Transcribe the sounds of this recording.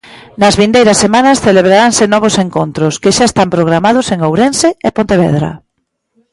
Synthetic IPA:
nɐzβind̪ejɾɐsemanɐsθeleβ̞ɾaɾaŋsɪnɔβ̞ʊseŋkont̪ɾʊskɪʃaest̪ampɾoɣɾamaðʊseŋowɾenseepont̪eβɛ̰ðɾɐ̰

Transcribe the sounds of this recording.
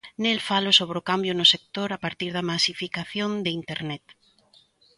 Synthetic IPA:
nelfalʊsoβ̞ɾeokambjʊnʊsek̚t̪oɾapaɾt̪iɾðɐmasifikaθjõnd̪eint̪eɾnɛt̪

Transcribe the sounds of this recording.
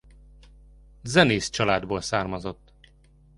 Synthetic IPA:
zɛneːst͡ʃɒlaːd̪boːlsaːrmɒzo̞t̪ː

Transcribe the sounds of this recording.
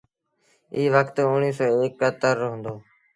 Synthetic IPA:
iːʋəkʰt̪ʊɳiːsɔːeːkːət̪əɾɦʊ̃nd̪oː

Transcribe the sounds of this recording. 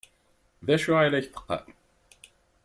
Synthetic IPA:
ðæʃuʁalæçθə̥qːɑ̰

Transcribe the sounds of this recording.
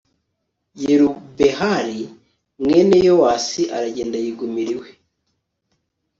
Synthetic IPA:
jeɾubehaɾi | mwenejowaːsiʔaɾaɟe̞ːndajiɡumiɾiwe

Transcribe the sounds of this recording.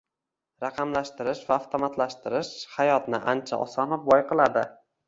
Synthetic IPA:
ɾɑqʰɑmlaʃt̪ɪɾɪʃvaːft̪ʰomat̪laʃt̪ɪɾɪʃhajɒt̪nɪʔant͡ʃʰa̰ʔɒ̰sɒnɪp̚bɒjqɨlˠad̪ɪ

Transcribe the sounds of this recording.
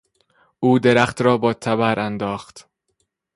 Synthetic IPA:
ʔuːd̪e̞ɾæxt̪ɾɒːbɒːt̪ʰæbæɾʔænd̪ɒːxt̪

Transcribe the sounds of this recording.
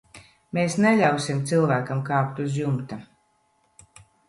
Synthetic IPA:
meːsneʎʲawsimt̪silˠvæːkamkaːkt̪uzjumt̪a

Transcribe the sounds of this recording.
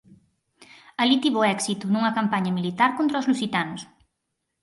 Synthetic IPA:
alit̪iβoɛksit̪unuŋɐkampaɲɐmilit̪aɾkont̪ɾaozlusit̪anus

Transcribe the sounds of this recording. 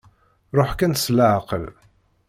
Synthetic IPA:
ɾˤoħkænslaʕqəl

